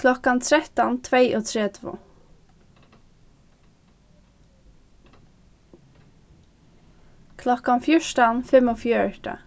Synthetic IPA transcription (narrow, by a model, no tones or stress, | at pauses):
kʰlɔkant̪ʰɾɛht̪ant̪ʰvejʔɔt̪ʰɾɛːt̪vʊ̰ | kʰlɔkanfjʊʂt̪anfɪmɔfjœːɹʈ̪a̰